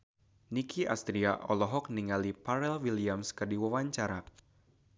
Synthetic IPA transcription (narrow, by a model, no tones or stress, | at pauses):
nikʰiʔa̰st̪ɾiaʔɔlɔɦɔk̚niŋalipaɾɛlwiliamskɨrdiwawaɲt͡ʃaɾa